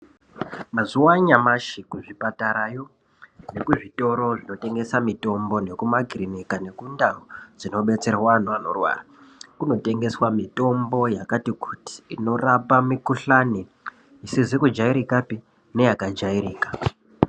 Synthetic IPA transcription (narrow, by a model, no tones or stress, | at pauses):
mazuwaɲamaʃikuʐipataɾajo̞ | ne̞kuʐito̞ɾo̞ʐino̞te̞ŋɡe̞samito̞mbo̞ne̞kumaɡʱirinikane̞kundaod͡zino̞ɓe̞t͡se̞rwanuano̞̰rwa̰ːra | kuno̞te̞ŋɡe̞swamito̞mbo̞jakatikuti̥ːno̞rapamikuɬani | isizikud͡ʒaiɾikapi | ne̞jakad͡ʒaiɾiːkḁ